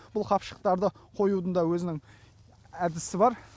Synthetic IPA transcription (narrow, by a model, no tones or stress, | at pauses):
b̥ʊlˠqʰɑpʃə̥q̚t̪ɑɾd̪əqʰo̞jud̪ənd̪ɑwɵzɪnɪŋ | æd̪ɪsɪbɑɾ